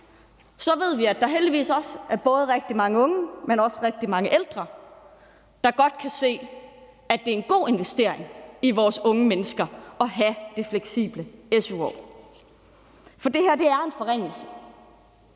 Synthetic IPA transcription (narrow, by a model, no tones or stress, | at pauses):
sɒ̽ʋe̝ð̞̰ˠʋiæd̥ɑ̈ɦeld̥iʋḭːsɒ̽sʔæɐb̥ɔ̽ːð̞ˠəʁeɡ̥̚d̥imɑ̈ŋəɔ̽ŋəmenɒ̽sʁeɡ̥̚d̥imɑ̈ŋəʔeld̥ʁɐ | d̥ɑ̈ɡ̥ɒ̽d̥̚kʰæse̝̰ː | æd̥e̝ɐe̝nɡ̥o̝̰ːe̝nʋesd̥e̝ɐ̰e̝ŋiʋɒːsɔ̽ŋəmenəsɡ̥ɐɒ̽ɦæd̥e̝fleɡ̥sḭːb̥ləesuɒ̰ː | fɒ̽d̥e̝hæɐ̰d̥e̝æɐe̝nfɒ̽ʁeŋ̰l̩sə̥